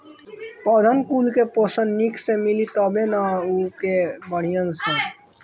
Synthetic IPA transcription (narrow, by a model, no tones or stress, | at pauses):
pəd̪ʱənkulkeposənːikʰsẽmilit̪ɔbenaukebəɽ̤ijənsẽ